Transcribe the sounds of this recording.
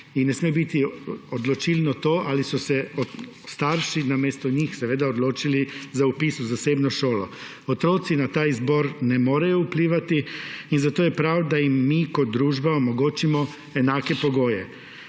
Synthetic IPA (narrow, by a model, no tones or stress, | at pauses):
inːɛsmebit̪iod̪lɔt͡ʃilnɔt̪oːʔalisɔsɛɔ | st̪aɾʃinameːst̪ɔɲixsɛʋeːd̪aod̪loːt͡ʃilizaupiːsuzaseːbnɔʃoːlɔ | ot̪ɾoːt̪sinat̪aːizboːɾnɛmoːɾajoupliːʋat̪iinzat̪oːjɛpɾawd̪ajimːikɔd̪̚d̪ɾuːʒbaomɔɡoːt͡ʃimɔ | ɛnaːkɛpoɡoːjɛ